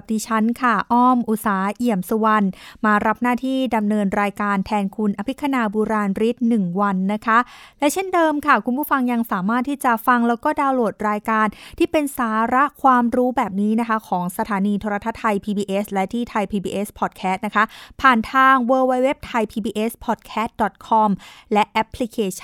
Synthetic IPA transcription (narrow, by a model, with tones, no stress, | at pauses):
diː˧t͡ɕʰa˦˥nkʰa˥˩ʔɔː˥˩mʔu˨˩t̪̚saː˩˦ʔi˨˩əmsu˧˩wa˧nmaː˧ɾa˦˥p̚naː˥˩t̪ʰiː˥˩da˧mnɤː˧nɾaː˧jkaː˧nt̪ʰɛː˧nkʰu˧nʔa˧pʰi˦˥k̪ʰːa˧naː˧buː˧ɾaː˧nɾi˦˥t̪̚nɯ˨˩ŋwa˧nːa˦˥kʰa˦˥lɛ˦˥t͡ɕʰe˥˩ndɤː˧mkʰa˥˩kʰu˧npʰuː˥˩fa˧ŋja˧ŋsaː˨˩˦maː˥˩t̪ʰːiː˥˩t͡ɕa˨˩fa˧ŋlɛː˦˥wkɔː˥˩daː˧wlo˨˩t̪̚ɾaː˧jkaː˧nt̪ʰiː˥˩pe˧nsaː˩˦ɾa˦˥ʔkʰwaː˧mɾuː˦˥bɛː˨˩p̚niː˦˥na˦˥kʰa˦˥kʰɔː˩˦ŋsa˧t̪ʰaː˩˦niː˧t̪ʰoː˧ɾa˧t̪ʰa˦˥t̪ʰːa˧jpʰiː˧biː˧ʔe˦˥slɛ˦˥t̪ʰiː˥˩t̪ʰa˧jpʰiː˧biː˧ʔe˦˥spʰɔ˨˩t̪̚kʰɛː˦˥st̪̚na˦˥kʰa˦˥ʔpʰaː˨˩nt̪ʰaː˧ŋwɤː˧wa˧we˦˥p̚t̪ʰa˧jpʰiː˧biː˧ʔe˦˥spʰɔː˨˩t̪̚kʰɛː˦˥t̪̚dɔ˨˩t̪̚kʰɔ˧mlɛ˦˥ʔʔɛ˦˥pʰːli˦˥kʰeː˧t͡ɕʰḁ˥˩